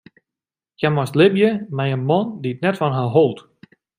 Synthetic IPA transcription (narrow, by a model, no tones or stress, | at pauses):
jɛmɔstlɪbjəmɛjənmɔnditnɛtfɔnɦaɦolˠt